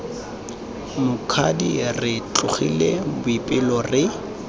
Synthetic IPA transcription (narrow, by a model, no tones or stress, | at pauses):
mʊkʰadirɪt͡ɬʼʊχḭlebʊipʼɪlɔrɪ